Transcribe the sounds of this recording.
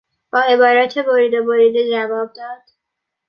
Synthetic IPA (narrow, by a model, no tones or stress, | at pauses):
b̥ɒːe̞bɒːɾæt̪ʰeboɾiːd̪oboɾid̪ed͡ʒævɒːb̚d̪ɒːd̪̥